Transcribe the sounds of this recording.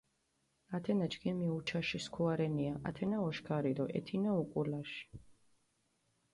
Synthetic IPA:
at̪ʰɛnat͡ʃɡimiut͡ʃʰaʃiskʰuaɾɛniaʔa̰t̪ʰɛnaɔʃkʰaɾid̪ɔʔɛ̰t̪ʰinaukʼulaʃi̥

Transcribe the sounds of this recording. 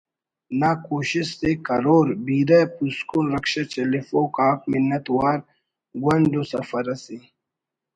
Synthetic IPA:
nakoːɕissekɐɾoːɾbiːɾapuskuːnɾɐkʃɐt͡ɕɐlifoːkaːkminːɐt̪waːɾ | ɡwɐndosɐfɐɾɐsi

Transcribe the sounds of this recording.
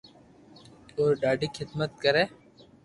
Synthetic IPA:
oːɾɖaːɖiːkʰɪd̪mət̪̚kəɾeː

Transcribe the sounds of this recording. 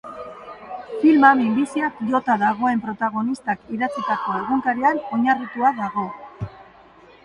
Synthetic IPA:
filmamimbisiakʎo̞t̪aðaɣ̞o̞e̞mpɾo̞t̪aɣ̞o̞nist̪akiðat͡sit̪ako̞eɣuŋkaɾiano̞ɲarit̪uaðaɣo̞

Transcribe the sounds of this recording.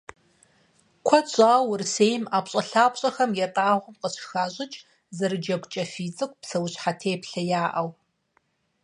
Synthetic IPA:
kʷʰɔt͡ɕʷʼaːwrseːjmaːpɕʼɐɬaːpʷʼɕʼɐxɐmjɛtʼaːʁʷʊmqəɕxaːɕʼɪt͡ʃʼ | zɐɾɨd͡ʒɐɡʷt͡ʃʼɐfiːt͡sʼɨkʷpsɐwɕħatʰeːpɬɐjaːʔɐw

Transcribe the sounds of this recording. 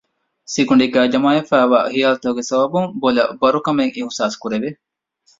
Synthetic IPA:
siɡuɳɖiɡæːd͡ʒɐmaːjɐfæːʋa̰ːhijaːlt̪ɐɦuɡesɐbɐbuŋbolɐbɐɾukɐmeŋʔiɦusaːskuɾeʋe

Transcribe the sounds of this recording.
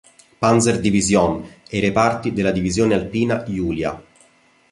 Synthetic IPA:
panzerd̪ivizjɔnejɾepart̪id̪elːad̪ivizjoːnealpiːnajuːlja̰

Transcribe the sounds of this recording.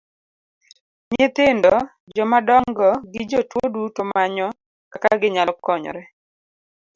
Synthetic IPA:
ɲet̪ɪndɔ | d͡ʒɔmadɔŋɡɔɡɪd͡ʒɔtwodutɔmaɲɔ | kakaɡɪɲalkɔɲɔ̰ɾɛ

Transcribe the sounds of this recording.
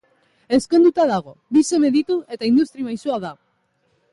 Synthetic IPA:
e̞sko̞nd̪ut̪aðaɣ̞o̞βise̞me̞ðit̪ue̞t̪aind̪ust̪ɾimajsuaða

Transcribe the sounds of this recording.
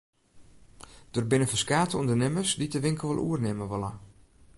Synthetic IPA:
d̥orbɪnəfəskaːtəundərnɪməsditəʋɪŋkəl̩ˠʋɔlʔṵərnɪməʋɔla

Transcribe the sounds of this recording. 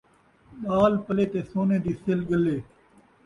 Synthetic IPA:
ɗaːlpəleːt̪eːsoːneːd̪iːselɡəlːeː

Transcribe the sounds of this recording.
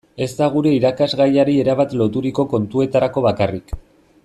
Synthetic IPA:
e̞zt̪aɣ̞uɾe̞iɾakazɣajaɾie̞ɾaβat̪lo̞t̪uɾiko̞ko̞nt̪ue̞t̪aɾako̞βakarik

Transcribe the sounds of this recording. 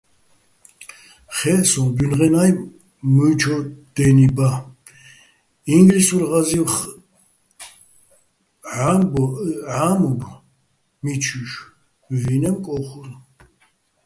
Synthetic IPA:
χɛsɔnbynʁɛnaj | mut͡ʃʰɔd̪̥ɛniba | iŋɡlisuɾʁaziχ | ʕabɔʕamub | mit͡ʃʰuʃ | vinɛmkʼɔχuɾ

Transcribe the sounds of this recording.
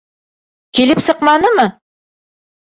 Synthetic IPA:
kilɘpsɤ̆qmɑnɤmɤ

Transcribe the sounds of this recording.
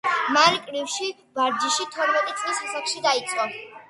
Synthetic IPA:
maɾikʼɾifʃi | vaɾd͡ʒiʃit̪ʰɔɾmɛt̪ʼit̪sʼlisasaχʃid̪ait̪sʼqʼɔ

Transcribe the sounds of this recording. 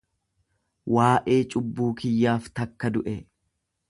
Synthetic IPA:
wʔaːʔe̞ːt͡ʃʼʊbːuːkɪjːaːft̪ɐkːɐd̪ʊʔɛ

